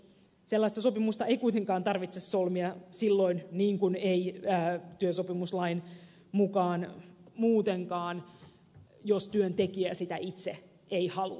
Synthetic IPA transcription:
selːɑist̪ɑsopimust̪ɑeikuit̪eŋkɑːnt̪ɑrʋit̪sesːolmiɑsilːo̞inniːŋkuneiːt̪yøsopimuslɑin | mukɑːnmuːt̪eŋkɑːn | jost̪yønt̪ekiæsit̪æʔit̪se | eihɑlu

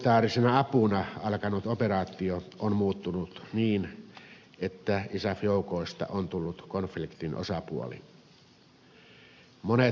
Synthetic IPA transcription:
t̪ɑːrisenɑɑpunɑɑlkɑnut̪operɑːt̪ːˑioonmuːt̪ːunut̪niːn | et̪ːæisæfjoˑukoˑist̪ɑ̰ʔont̪ulːut̪konflikt̪inʔo̰sɑpuo̰lḭ | mone

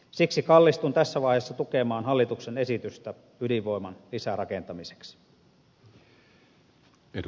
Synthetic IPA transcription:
siksikɑlːist̪unt̪æsːæʋɑˑihesːɑt̪ukemɑːnɦɑlːit̪uksene̞sit̪yst̪æ | ydiʋʋo̞jmɑnlisærɑkent̪ɑmise̥ks | e

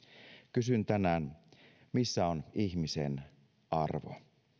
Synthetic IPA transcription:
kysynt̪ænæːn | misːæoniçmisḛn | ɑrʋo̰

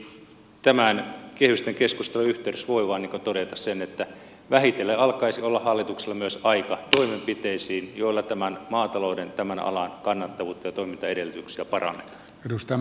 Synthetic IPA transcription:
t̪æmænkehyst̪eŋkeskust̪eluyht̪eyɾøsʋoiʋɑːnːiːŋkont̪odet̪ɑssenet̪ːæ | ʋæhit̪elːeɑlkɑisiolːɑhɑlːit̪ukselːɑmyøsɑikɑt̪oimempit̪eisiːnjoilːɑt̪æmænmɑːt̪ɑloudent̪æmænɑ̰lɑnkɑnːɑt̪ːɑʋuːt̪ːɑjɑt̪oimint̪ɑedelːyt̪yksiæpɑrɑ̰nːet̪ɑ̥ː | edust̪ɑ

